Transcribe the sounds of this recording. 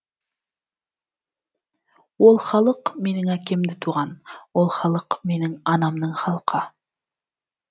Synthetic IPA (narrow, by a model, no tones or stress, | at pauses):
wolˠχɑlˠɤqmenɪŋækemd̪ɪt̪ʰuʁɑnwolˠχɑlˠɤqmenɪŋɑnɑmnɤɴχɑlˠqʰɑ